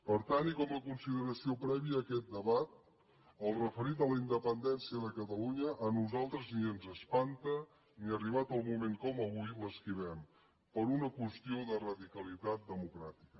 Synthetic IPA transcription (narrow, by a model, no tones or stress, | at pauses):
pəɾt̪anikɔməkunsiðəɾəsiopɾɛβiəːkɛt̪̚d̪əβat̪̚ | əlˠrəfəɾit̪̚ələind̪əpənd̪ɛnsiəðəkət̪əluɲəʔːnuzalˠt̪ɾəzniənzəspant̪ə | niəriβat̪əlˠmumeŋkɔməβujləskiβɛm | pəɾunəkwəst̪ioðərəðikəlit̪at̪̚d̪əmukɾat̪i̥kə